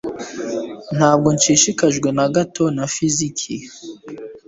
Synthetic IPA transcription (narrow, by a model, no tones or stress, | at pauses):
n̥haːb̚ɡo̞nt͡ʃiːʃikaʒɡwe̞naɡato̞nafizikʰi